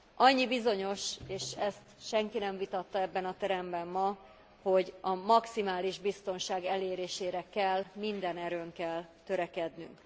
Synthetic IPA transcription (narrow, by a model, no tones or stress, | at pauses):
ʔɒɲːibizo̞ɲo̞ʃeːʃɛst̪ʃɛŋkinɛɱvit̪ɒt̪ːɒɛbːɛnɒt̪ɛɾɛmbɛmːɒ | ho̞ɟɒmɒksimaːliʒbist̪o̞nʃaːɡɛleːɾeːʃeːɾɛkɛlmind̪ɛnɛɾøːŋkɛlt̪ø̞ɾɛkɛd̪ny̰ŋk